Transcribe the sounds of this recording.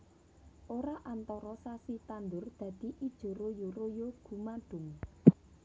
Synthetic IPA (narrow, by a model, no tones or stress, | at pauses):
ʔoɾaʔant̪ɔɾɔsasit̪and̪ʊrd̪̥ä̤d̪̥i̤ʔid̥ʒ̥o̤ɾojorojoɡ̥ṳmaɖ̥ʊ̤ŋ